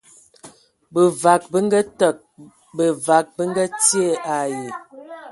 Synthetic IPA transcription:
bə˨va˨k̚bə˦ŋ˦ɡə˦tə˨k̚ | bə˨va˨˦k̚bə˦ŋ˦ɡə˦tje˦˨ʔa˨ji˨

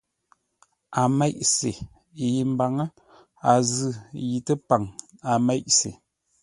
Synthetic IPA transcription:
a˨mɛ˦ʔse˨ | ji˨m˦ba˨ŋə˦ | a˨zɨ˦˨ji˨tə˦pa˨ŋa˨mɛ˦ʔsḛ˨

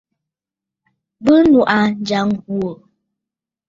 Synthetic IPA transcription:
bə˦nu˨ʔa˨n˨˦d͡ʒa˨˦ŋhwo˨

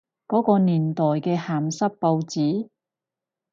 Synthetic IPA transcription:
kɔː˨˥kɔː˧niː˨˩nt̪ɔː˨˩jkɛː˧haː˨msɐ˥t̚po˧wt͡siː˨˥

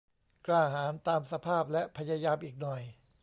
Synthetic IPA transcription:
kɾaː˧˩ɦaː˩˦nt̪aː˧msa˧pʰaː˥˩p̚lɛ˦˥pʰa˧jaː˧jaː˧mʔiː˨˩k̚nɔ˨˩j

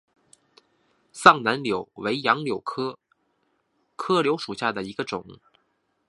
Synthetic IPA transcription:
sɑ˥˩ŋna˧˥nljo˨˩ʊwe˧˥ɪjɑ˧˥ŋljo˨˩ʊkʰɤ˥ | kʰɤ˥ljo˧˥ʊʂu˨˩ɕja˥˩d̪ə˩i˧˥ɡə˧ʈ͡ʂʊ˨˩˦ŋ

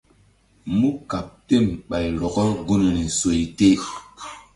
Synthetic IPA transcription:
mu˦ka˨p̚te˦˨mɓa˨jlɔ˨ɡɔ˦ɡu˦ne˨nɛ˨so˨jte˦

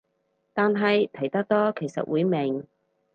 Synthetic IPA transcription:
t̪aː˨nɦɐ˨jt̪ʰɐ˨˩jt̪ɐ˥k̚t̪ɔː˥kʰe˨˩jsɐ̰˨t̚wuː˨˧jmɪ˨˩ŋ

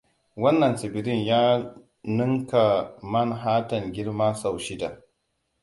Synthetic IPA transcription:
wɐ˦nːɐ˨nsɪ˨bɪ˨ɾɪ˦ɲjaː˦ | nʊ˦ŋka˨mɐ˦nɦaː˦tɐ˨ŋɡʲɪ˦ɽmaː˦sa˨wʃɪ˦da˨

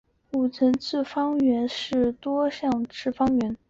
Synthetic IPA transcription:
u˨˩t͡sʰə˧˥nt͡sʰɹ̩˥˩fɑ˥ŋɥɛ˧˥nʂɻ̩˥˩t̪wɔ˥ɕjɑ˥˧ŋʈ͡ʂɻ̩˥˩fɑ˥ŋɥɛ˧˥n

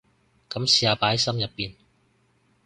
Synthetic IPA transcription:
kɐ˨˥msiː˨aː˨˧paː˨˥jsɐ˥mjɐ˨pːiː˨n

